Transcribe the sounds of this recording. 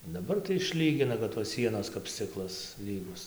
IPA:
dɐˈbɐr tɐɪ ɪʃʲˈlʲiːɡʲɪnɐ kɐt toːs ˈsʲiɛnoːs kɐp ˈsʲt͡sʲɪklˠɐs ˈlʲiːɡʊs

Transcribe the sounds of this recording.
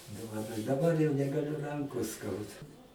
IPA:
doːʋɐˈnoːjʊ dɐˈbɐr jɛʊ nʲɛɡɐˈlʲʊ ˈrɐŋkoːs ˈskɐʊdɐ

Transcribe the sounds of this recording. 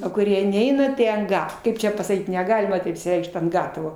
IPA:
oː kʊˈrʲiɛ ˈnʲɛɪnɐ tɐɪ ɐnt ˈɡɐ ˈkɐɪp t͡ʃʲɛ pɐsɐˈkʲiːt nʲɛˈɡɑːlʲɪmɐ tɐɪp ɪʃʲsʲɪˈrʲɛɪkʃt ɐnt ˈɡɑːtɐʋoː

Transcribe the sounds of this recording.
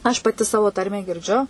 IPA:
ɐʃ pɐˈtʲɪ ˈsɑːʋoː ˈtɐrʲmʲæː ɡʲɪrʲˈd͡ʒʲʊ

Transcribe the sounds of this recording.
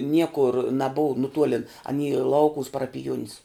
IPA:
ˈnʲiɛkʊr nɐˈbʊw nʊˈtuɔlʲɪn ɐˈnʲiː ˈlˠɐʊkʊʋʊs pɐrɐpʲɪˈjuɔnʲɪs

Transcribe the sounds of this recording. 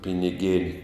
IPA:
pʲɪnʲɪˈɡʲeːnʲ

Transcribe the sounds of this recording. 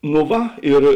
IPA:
noː ˈʋɐ ɪr

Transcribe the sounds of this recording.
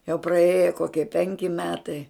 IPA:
jɛʊ prɐˈeːjɛ ˈkoːkʲiɛ ˈpʲɛŋʲkʲɪ ˈmʲæːtɐɪ

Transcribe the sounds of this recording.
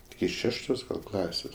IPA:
ɪkʲɪ ˈʃʲæːʃtoːs ˈklˠɑːsʲeːs

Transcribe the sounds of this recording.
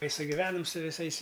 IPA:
ˈtɐɪ sʊɡʲɪˈʋʲæːnɐm sʊ ʋʲɪˈsɐɪs

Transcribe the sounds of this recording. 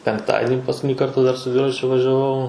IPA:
pʲɛŋkˈtɑːdʲɪnʲɪ pɐskʊˈtʲɪnʲɪ ˈkɐrtɐ dɐr sʊ ˈdʲʋʲɪrɐt͡ʃʲʊ ʋɐʒʲɛˈʋɐʊ

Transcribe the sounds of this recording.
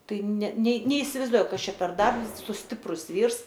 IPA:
ˈtɐɪ nʲɛ nʲeː nʲɛɪsʲɪʋɐɪzˈduɔjʊ ˈkɐs ˈt͡ʃʲɛ pʲɛr ˈdɐrps sʊ ˈsʲtʲɪprʊs ˈʋʲiːrs

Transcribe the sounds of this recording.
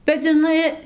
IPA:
bʲɛt ɪˈnɐɪ

